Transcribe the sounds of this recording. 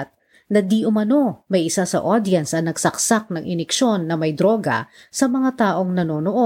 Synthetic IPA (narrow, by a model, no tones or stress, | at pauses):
t̪̚ | nɐd̪iʔʊmɐno̞mɐjʔɪsasɐ̰ʔod̪ɪjɐnsɐnɐɡ̥sɐksak̚nɐŋʔɪnɛkʃo̞nːɐmɐjd̪ɾo̞ːɡɐ̰ | sɐmɐŋat̪aːʔo̞ŋnɐno̞ːnoʔo